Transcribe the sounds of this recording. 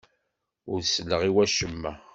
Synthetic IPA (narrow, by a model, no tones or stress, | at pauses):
ʊɾslːəʁiwæʃəmːæ